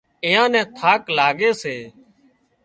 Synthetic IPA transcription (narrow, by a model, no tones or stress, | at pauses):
ɪjãːnɛ̃ːt̪ʰaːklaːɠeːseː